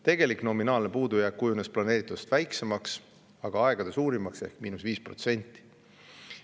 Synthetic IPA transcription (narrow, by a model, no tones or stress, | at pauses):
t̪e̞ɡ̥e̞likno̞minɑːlne̞puːd̪ujækːujune̞splɑne̞ːɾit̪ːˑud̪̥e̥st̪væjksemɑks | ɑɡ̥ɑɑe̞ɡ̥ɑd̪esuːɾimɑkse̞̰hkminusviːspro̞̰t̪se̞nʲt̪ːˑi̥